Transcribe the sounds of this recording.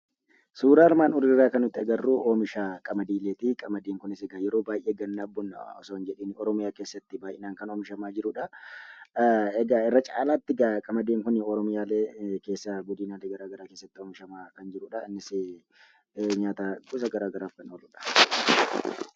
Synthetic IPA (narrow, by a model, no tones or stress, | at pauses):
suːɾaːɾmaːnʊɾɪɪrːaːkɐnʊt̪ːɪɛɡɐrːuːʔoːmɪʃaːkʼɐmɐd̪iːleːt̪ɪkʼɐmɐd̪eːŋkʊnɪsɛɡajɛɾoːbaːjʔeːɡɐnːaːbːʊn̰ɔ̰soːnd͡ʒɛᶑeːnɔɾɔmɪjaːke̞ːsːɐt̪ːɪbaːjʔɪnaːŋkɐnoːmɪʃɐmaːd͡ʒɪɾʊᶑɐ | ɛɡaɛrːɐt͡ʃʼa̰ːlaːt̪ːɪɡakʼɐmɐd̪eːŋkʊnɪɔɾɔmɪjaːleːke̞ːsːɐɡʊd̪ɪːnaːleɡɐɾaːɡɐɾaːkeːsːɐt̪ːɪoːmɪʃɐmaːkɐnd͡ʒɪɾʊᶑɐɪnːɪse | ɲaːt̪aːɡʊsɐɡɐɾaːɡɐɾaːfkɐnoːlʊᶑɐ̥